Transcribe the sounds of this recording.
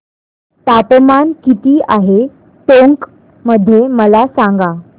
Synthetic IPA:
t̪apmankit̪iːʔaɦe | t̪oŋk | məd̪ʱːjeməlasaŋɡa

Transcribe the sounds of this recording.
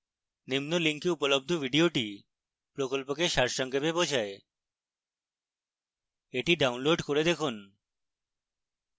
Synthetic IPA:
nimnoliŋkiupolob̚d̪ʱobʱiɖioʈi | pɾokolpokeʃaɾʃɔŋkebebod͡ʑʰae | eʈiɖawnloɖkoɾed̪ekʰun

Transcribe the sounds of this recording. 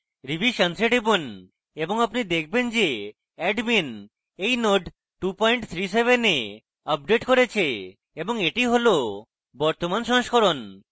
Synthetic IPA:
ɾibʱiʃənseʈibun | eboŋapnid̪ek̚ʰbend͡ʑe | ɛɖmin | ejnoɖ | ʈupɔjɳʈt̪ʰɾiseβene | əp̚ɖeʈkoɾet͡ɕʰe | eboŋeʈiɦolo | bɔɾt̪omanʃɔ̃ŋʃkoɾon

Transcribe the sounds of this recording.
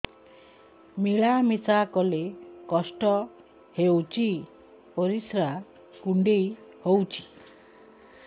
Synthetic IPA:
miɭamisakɔlekɔsʈɔ | hewt͡ʃi | pɔɾisɾa | kuɳɖejhowt͡ʃʰi̥

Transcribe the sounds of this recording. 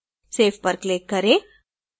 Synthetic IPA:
seːfpəɾkleːkːəɾeː

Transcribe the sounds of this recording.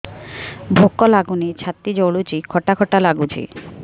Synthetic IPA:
bʱokːɔlaɡunit͡ɕʰat̪ːid͡ʑoɽut͡ɕikʰɔʈakʰɔʈalaɡud͡ʑḭ

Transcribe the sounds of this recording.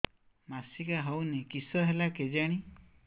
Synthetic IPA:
masikaɦownekisɔɦelaked͡ʒaɽ̃i

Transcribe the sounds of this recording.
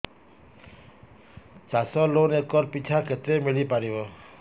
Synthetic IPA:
t͡ʃasɔlonekɔɾpit͡ʃʰakʰet̪ɾemilipaɾiʋɔ

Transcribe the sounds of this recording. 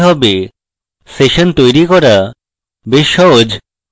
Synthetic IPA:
ɦɔbe | seʃont̪ojɾikɔɾa | beʃːɔɦod͡ʑ

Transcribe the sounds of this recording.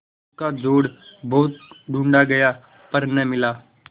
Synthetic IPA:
kad͡ʒoːɽbɔːt̪̚ɖʱũːɳɖaɡɐjaː | pɐɾnəmɪlaː

